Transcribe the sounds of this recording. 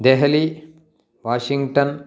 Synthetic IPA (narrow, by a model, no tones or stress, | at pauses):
d̪eɦɐli | ʋaːʃiŋɡʈɐn